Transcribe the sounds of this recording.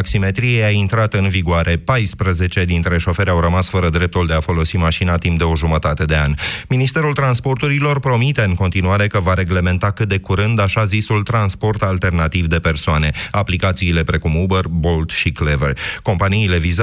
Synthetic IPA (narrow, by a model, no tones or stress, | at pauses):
ksime̞t̪ɾijejaint̪ɾat̪ɨnviɡoaɾʔe̞pajspɾəze̞t͡ʃe̞d̪int̪ɾe̞ʃo̞fe̞ɾʲawɾəmasfəɾəd̪ɾe̞p̚t̪uld̪e̞afo̞lo̞simaʃinat̪imp̚d̪e̞o̞ʒumət̪at̪e̞d̪e̞anʲminist̪e̞ɾult̪ɾanspo̞rt̪uɾilo̞rpɾo̞mit̪e̞ɨŋko̞nt̪inuaɾe̞kəvaɾe̞ɡle̞me̞nt̪akɨt̪̚d̪e̞kuɾɨnd̪aʃazisult̪ɾanspo̞rt̪alt̪e̞rnat̪ivd̪e̞pe̞rsoane̞aplikat̪siːle̞pɾe̞kumubərbo̞lt̪ʃikleverʲko̞mpaniːle̞viz